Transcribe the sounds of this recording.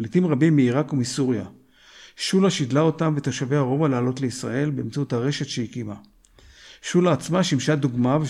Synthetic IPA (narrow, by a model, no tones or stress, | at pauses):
lit̪imʁabimːiiʁakumisuʁja | ʃulaʃid̪lao̞tamvet̪aʃaveaʁo̞valaːlo̞t̪le̞isʁa̰e̞lbeːmt͡saut̪haʁe̞ʃe̞t̪ʃejikima | ʃulaːt͡smaʃimʃad̪uɡmave